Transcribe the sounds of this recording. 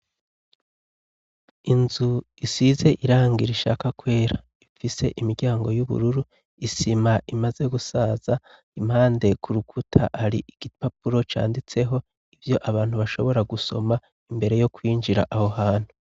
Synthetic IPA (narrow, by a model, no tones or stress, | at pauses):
inzu | isize̞ʔiɾaːŋɡiɾiʃa̰kakwe̞ːɾa | ifise̞̰ʔimiɾɟaːŋɡo̞juβṵɾuɾu | isimaʔimaze̞ɡusaːza | imhaːnde̞kʰuɾukʰutʰa̰ʔaɾḭʔiɡ̥ipapuɾo̞t͡ʃa̰ːndit͡se̞ɦo̞ | ivjo̞ʔaβaːn̥huβaʃo̞̰βo̞ɾaɡuso̞̰ma | imbe̞ɾe̞jo̞kwiːnd͡ʒiɾa̰ʔaho̞haːn̥hu